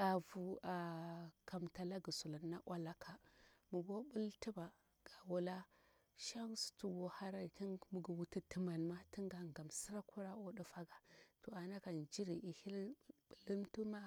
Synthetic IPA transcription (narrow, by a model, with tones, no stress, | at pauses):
a˨vu˨a˨ka˨mta˨la˦ɡi˨su˨la˨nːa˦ʔwʔa˦la˦kʰa˨mu˨ɡo˦bu˦lti˦ba˨ | ɡ̥a˨wu˦la˦ | ʃa˦ŋsu̥˨tu˨ɡo˨ha˦ɾa˦i˨ti˦nmu˨ɡu˨wu˦ti˦tə˨ma˨nma˦ti˦ŋɡa˨ŋɡa˨msi˦ɾa˦ku˦ɾa˦o˦di˦fa˦ɡa˨to˨a˨na˦ka˨nd͡ʒi˦ɾi˨ʔi˨hi˦lblə˦mtu˦ma˦